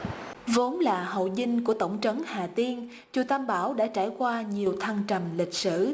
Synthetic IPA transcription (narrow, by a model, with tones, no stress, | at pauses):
vo˨˦nlaː˨˩ɦo̰˧˨zï˧ŋ̟ku˧˩ət̪ə̰˧˩wŋ͡mt͡ɕə˨˦nhaː˨˩t̪i˧ən | t͡ɕu˨˩t̪ʰaː˧mɓaː˧˩wɗa̰ː˧˥t͡ɕaː˧˩jkwaː˧ɲi˨˩əwt̪ʰa˧ŋt͡ɕə˨˩mlï˨˩k̟̚sɨ̰˧˩˨